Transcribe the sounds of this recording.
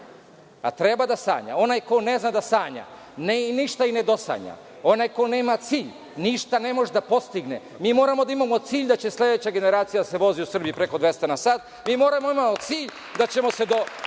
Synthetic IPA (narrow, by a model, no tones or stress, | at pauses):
a̰t̪ɾe̞bad̪asa̰ːɲa̰o̞najko̞ne̞znad̪asaːɲa̰ | neiniʃt̪aine̞d̪o̞sa̰ɲa̰ | o̞najkone̞ːmat̪siːʎ | niʃt̪ane̞mo̞ʒed̪apo̞st̪iɡne̞ | miːmo̞ːɾamod̪aimamo̞t̪siːʎd̪at͡ɕe̞slʲe̞d̪et͡ɕaɡe̞ne̞ɾaːt̪sijad̪ase̞ʋo̞ziusr̩bijipɾeko̞d̪ʋe̞st̪anasaːt̪̚ | miːmo̞ːɾamoimamot̪siːʎ | d̪at͡ɕe̞mo̞se̞d̪o